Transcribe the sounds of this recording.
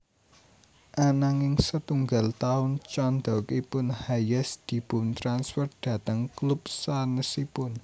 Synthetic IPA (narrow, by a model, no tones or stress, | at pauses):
ʔanaŋɪŋsət̪uŋɡa̤lt̪aʊnt͡ʃand̪ɔ̤kipʊnhajəsd̪̥i̤b̥ʊ̤nt̪ɾansfɛr̚d̪̥ä̤t̪əŋklup̚sanəsipʊn